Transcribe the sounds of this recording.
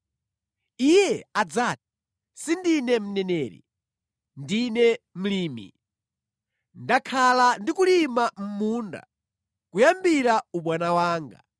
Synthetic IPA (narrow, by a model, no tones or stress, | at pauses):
ijɛad͡zat̚i̥ | sindinɛm̩nɛnɛːɾḭ | ndinɛm̩liːmḭ | ndakʰalandikulimam̩muːnda̰ | kujambiɾauɓwanawaːŋɡa̰